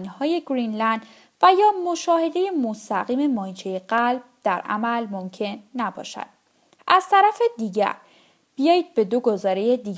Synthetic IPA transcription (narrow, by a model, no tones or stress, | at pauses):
nhɒːje̞ɡɾinlænd̪ | væjɒːmo̞ʃɒːhe̞d̪e̞je̞most̪æɣiːme̞mɒːit͡ʃʰeje̞ɢælb̥̚d̪̥æɾʔæ̰mælmomcʰe̞nːæbɒ̰ːʃæ̰d̪̥ | ʔæz̥t̪ʰæɾæfe̞d̪iːɟæ̰ɾ | b̥ijɒːjiːd̪̥̚be̞d̪o̞ɡo̞zɒːɾe̞jed̪iː